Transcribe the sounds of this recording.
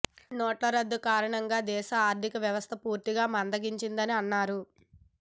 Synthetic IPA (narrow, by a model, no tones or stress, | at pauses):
noːʈlɐɾɐd̪ːukaːɾɐɳɐŋɡaːd̪ɛːʃɐaːɾd̪ʱikɐʋjɐʋɐst̪ʰɐpuːɾt̪iɡaːmɐnd̪ɐɡiɲt͡ʃind̪ɐniɐnːaːɾu